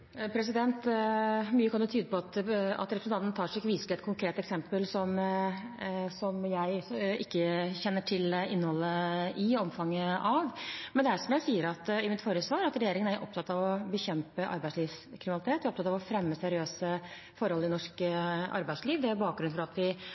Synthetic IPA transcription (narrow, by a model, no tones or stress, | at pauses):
pʰɾɛs̬ɪd̪ɛnt̪ | myːəkʰɑnjɔt̪ʰyːd̪əpɔɑt̪ɑ̰t̪ɾɛpɾəsn̩ɑnt̪n̩t̪ʰɑːʂɪkːəʋiːsəlɛt̪kʰʊŋkʰɾeːt̪ɛksɛmpəlsɔm | sɔmjæɪɪkːəçɛnːəʈʰɪlɪnːəhɔlːəʔɪɔmfɑŋːəʔɑʋmɛnd̪ɛæʂɔmjæɪsiːəɾɑt̪ɪmɪt̪foːɾəsʋɑːɾɑt̪ɾɛjeːɾɪŋənæɾʔɔ̰p̚t̪ʰɑt̪ːɑʋɔbəçɛmpəʔɑ̰ɾbæɪsliːʋskʰɾɪmɪnɑɪt̪ʰeːt̪ʋɪːɔp̚t̪ɑt̪ɑʋɔfɾɛmːəsɛɾɪøːsə | fɔɾhɔlːəɪnɔʂkɑ̰ɾbæɪsliːʋd̪ɛæɾbɑːk̚ɡɾʉnfɔɾɑt̪ʋɪ